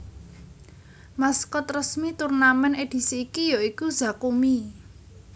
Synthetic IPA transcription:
maskɔt̪rəsmit̪urnamɛned̪̥i̤siːkijoikuza̤kumi

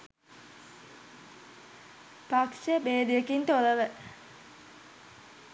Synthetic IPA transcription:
pakʃəbeːd̪ijəkint̪oləʋə

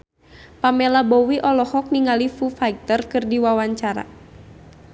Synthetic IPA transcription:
pamɛlabɔwiʔɔlɔhɔk̚niŋalifufaik̚t̪ərkɨrdiwawaɲt͡ʃaɾa̰

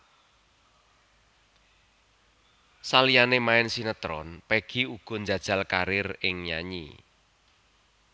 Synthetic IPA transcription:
salijanemaɪnsinət̪ɾɔ̰npeɡ̥i̤uɡ̥ɔ̤nd͡ʒa̤d̥ʒ̥a̤lkaɾɪrɪŋja̰ɲḭ

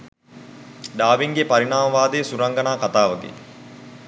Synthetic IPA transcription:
ɖaːʋiŋɡepaɾinaːmɐʋaːd̪eːsuɾɐŋɡɐnaːkat̪aːʋɐɡḛ

